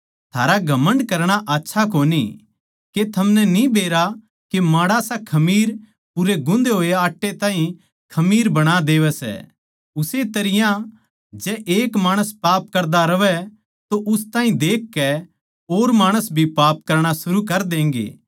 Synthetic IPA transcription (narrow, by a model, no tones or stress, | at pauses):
t̪ʰaːɾaɡʱɐmə̃ɳɖkɐɾɽ̃aʔatːʃʰakoːnḭ | ket̪ʰɐmnɛnĩbeːɾa | kemãːɽasakʰɐmiːɾ | pʊɾeɡʊ̃nd̪eɦoːeaːʈːet̪ãːɦĩ | kʰɐmiːɾbɐɽ̃ad̪eːʋɛsɛ̰ | ʊset̪ɐɾɪjã | d͡ʒɛʔeːkmaːɽ̃əspaːp̚kɐɾd̪aɾɐʋɛ | t̪oʔʊst̪ãːɦĩd̪eːkːɛ | oːɾmaːɽ̃əsbʱipaːp̚kɐɾɽ̃asʊɾukɐɾd̪ẽːŋɡḛː